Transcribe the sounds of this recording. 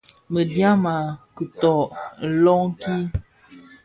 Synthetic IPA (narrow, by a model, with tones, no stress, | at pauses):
mə˨dja˦ma˨kɨ˨tɔ˨lɔ˦ŋ˦ki˦